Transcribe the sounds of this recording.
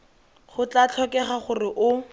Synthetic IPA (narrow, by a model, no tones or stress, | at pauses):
χʊt͡ɬat͡ɬʰɔkɛχaχʊrɪʔʊ